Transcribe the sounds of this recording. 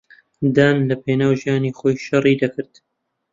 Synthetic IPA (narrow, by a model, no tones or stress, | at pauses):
d̪aːnlɐpʰeːnaːwʒijaːniχoːjʃɐrˤid̪ɐkɨɾd̪